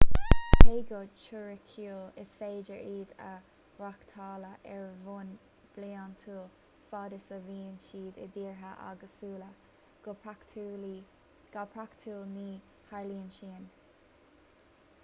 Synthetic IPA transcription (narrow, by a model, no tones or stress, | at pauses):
beːɡot͡ʃʊɹɪkʰuːlɪsfeːd͡ʒəɹiːd̪ə̰ | ɾakt̪ʰɑːləʔɛɹvun | b̥liːant̪ʰuːl | fɑːd̪ɪsəviːnʃiːd̪ə̰d̪iːɹɦəʔa̰ɡəsuːlə | ɡ̥otʰː | ɡ̥apʰɹakt̪ʰuːlniː | haɹliːənʃiːn